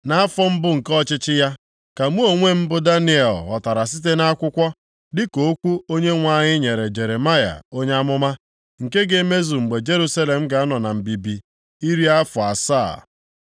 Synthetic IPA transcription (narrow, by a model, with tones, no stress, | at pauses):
na˦a˦fɔ˦m̩˦bʊ˦ŋ̩˨kɔ˦t͡ʃɪ˦t͡ʃɪ˦ja˦ | ka˨mu˦o˨ŋʷe˦m̩˦bʊ˦da˦ni˦e˨lɔ̰˨ta˨ɾa˨s̬i˦t̬e˦na˦kʷʊ˦kʷɔ˦ | dɪ˦ko˨˦kʷu˦o˦ɲe˦ŋʷa˦ɲɪ˦ɲe˨ɾe˨d͡ʒe˨ɾe˨ma˦ja̰˨o˦ɲe˦a˦mʊ˦ma˦ | ŋ̩˨ke˦ɡe˨˦me˦zu˨ŋ͡m̩˨ɡ͡be˨d͡ʒe˦ɾu˦sa˦le˨m̩˦ɡa˨˦nɔ˨na˨m̩˨bi˨bi˨ | i˦ɾi˦a˦fʊ˨a˨sa̰ː˦˨